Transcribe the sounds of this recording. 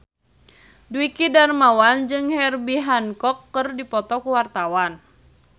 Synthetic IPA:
duwikidarmawand͡ʒɨŋhɛrbiɦankɔkːɨrdipɔt̪ɔkuwart̪awan

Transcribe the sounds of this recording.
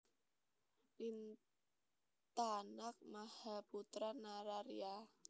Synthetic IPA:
ʔin | t̪anak̚mahaput̪ɾanaɾaɾia

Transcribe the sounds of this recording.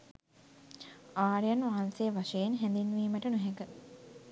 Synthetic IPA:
aːɾijɐnʋaːnsejːʋaʃejenɦɛnd̪inːʋiːməʈənuɦɛkə

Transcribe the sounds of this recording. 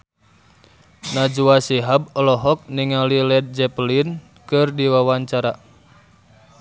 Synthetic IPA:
nad͡ʒuasiɦab̚ɔlɔɦɔk̚niŋalilɛd̪̚d͡ʒɛplin | kɨrdiwawaɲt͡ʃaɾa

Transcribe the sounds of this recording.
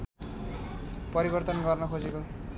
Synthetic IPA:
pʌɾibʌrt̪ʌnɡʌrnʌkʰod͡zeko

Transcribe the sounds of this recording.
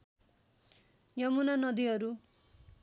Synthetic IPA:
jʌmunanʌd̪iɦʌɾu

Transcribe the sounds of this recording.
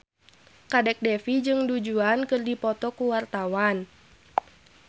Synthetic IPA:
kadɛk̚dɛfid͡ʒɨŋdud͡ʒuankɨrdipɔt̪ɔkuwart̪awan

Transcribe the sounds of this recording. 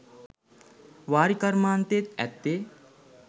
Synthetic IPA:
ʋaːɾikɐɾmaːnt̪et̪æ̰t̪ːe

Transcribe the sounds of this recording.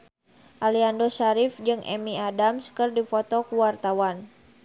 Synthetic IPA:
ʔaliandosaɾifd͡ʒɨŋʔɛ̰miadamskɨrdifɔt̪ɔkuwart̪awan

